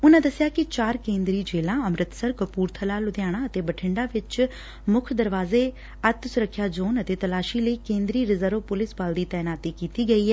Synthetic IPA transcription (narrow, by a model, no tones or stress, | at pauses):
ʊnãːd̪əsɪjaːkɪt͡ʃaːɾkẽːnd̪ɾiːd͡ʒeːlãːəmɾɪt̪səɾkəpuːɾt̪ʰəlaːlʊd̪jaːɽ̃ãːət̪eːbəʈʰɪ̃ɳɖaːʋɪt͡ʃ | mʊkʰd̪əɾʋaːzeː | ət̪sʊɾəkʰːjaːd͡ʒoːnət̪eːt̪əlaːʃiːləiːkẽːnd̪ɾiːɾɪzəɾʋpʊlɪsbaːld̪iːt̪ɛːnaːt̪iːkiːt̪iːɡəiːɦɛː